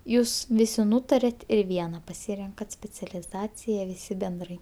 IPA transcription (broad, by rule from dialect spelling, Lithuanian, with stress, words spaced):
ˈjuːs ˈʋʲɪsʲɪ ˈnuːtɐrʲɛt ɪr ˈʋʲiɛnɐ pɐˈsʲiːrʲɛŋkɐt sʲpʲɛt͡sʲɛlʲɪˈzɑːt͡sʲɪjɛ ʋʲɪˈsʲɪ bʲɛnˈdrɐɪ